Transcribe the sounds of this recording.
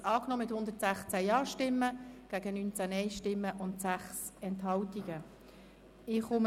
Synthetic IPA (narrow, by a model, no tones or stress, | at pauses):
ɑːknɔmɪthʊnd̪ətsæχt͡sæjɑːʃtɪmːəɡ̥æːɡənynt͡sænɛɪʃtɪmːəʔʊntsæχsɛnthɑltiɡ̥ə | ɪχʊm